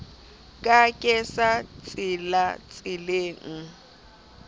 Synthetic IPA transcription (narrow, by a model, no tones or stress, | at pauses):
kʼakʼɛsat͡sʼɪlat͡sʼɪleːŋ̩